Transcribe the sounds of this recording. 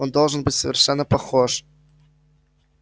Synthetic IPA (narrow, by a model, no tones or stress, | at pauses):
ond̪olˠʐənbɨtʲsəvʲɪrʂɛnːəpɐxoʂ